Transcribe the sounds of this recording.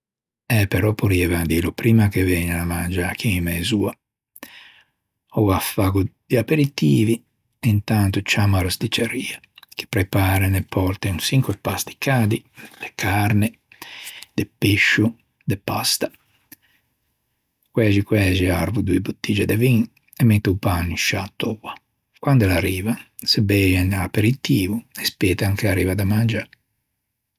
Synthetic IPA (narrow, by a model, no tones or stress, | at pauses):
ɛpeɾɔpuɾievand̪ilupɾiːmakevɛɲanamand͡ʒak̟ʰimɛzuːa | ɔafːaɡud̪̥iapeɾit̪iːvi | ent̪ant̪ut͡ʃamaɾast̪it͡ʃeɾiːa | k̟e̥pɾepaːɾenepʰɔɾt̪eunsiŋkwepasd̪i̥kaːd̪id̪̥ekʰaɾne | d̪̥epeʃːu | d̪epast̪ḁ | kwɛʒikwɛːʒiaɾvud̪uebut̪ːiːd͡ʒed̪eviŋ | emːet̪ːeupanːiʃat̪ːoa | kwand̪olaɾiːva | sebɛjanapeɾit̪iːvuespɛːt̪aŋkeaɾiːvad̪amand͡ʒa